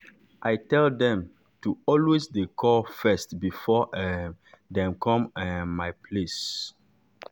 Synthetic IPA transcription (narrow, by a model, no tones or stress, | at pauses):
ʔajtɛldɛ̃m | tuɔlwesdekʰɔfɛstbifɔʔ | dɛ̃mkʰɔ̃mɛ̃majpʰles